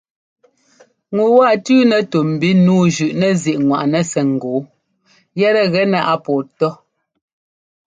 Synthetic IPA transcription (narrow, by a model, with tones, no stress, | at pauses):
ŋu˨wa˦˨tʉː˦nɛ˨to˨m̩˨bi˦nuː˦ʒʉ˨ʔnɛ˦zi˨ʔŋwa̰˨ʔnɛ˦sɛ˨ŋ̩˨ɡoː˨˦ | jɛ˦ɾɛ˦ɣɛ˦na˦ʔa˦pɔː˨tɔ˦